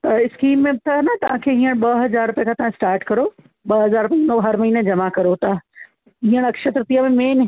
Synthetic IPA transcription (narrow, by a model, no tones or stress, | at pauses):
t̪ɐɪskiːmːẽbɪt̪ʰaɦɐnɐt̪ɐʋ̤ãkʰeɦĩːəɽ̃ɓɐɦɐzaːɾʊpjãkʰãt̪ɐʋ̤ãsʈaːɾʈkɐɾo | ɓɐɦɐzaːɾpẽnoːɦɐɾmɐɦiːned͡ʑɐmakɐɾot̪a | ɦĩːəɽ̃ɐkʃət̪ɾt̪ijamẽmeːnɦ